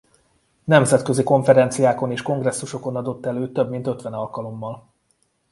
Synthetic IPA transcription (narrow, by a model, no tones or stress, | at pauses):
nɛmzɛt̪køziko̞ɱfɛɾɛnt̪sijaːko̞neːʃko̞ŋɡrɛsːuʃo̞ko̞nɒd̪o̞t̪ːɛløːt̪ːøbmin̪t̪ø̞t̪ʋɛnɒlkɒlo̞mːɒl